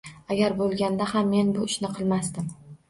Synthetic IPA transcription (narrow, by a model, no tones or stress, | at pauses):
aɡʲaɾbolˠɡʲand̪ahamːe̞nbʊɪʃnɪqʰɨlˠmasd̪ɪm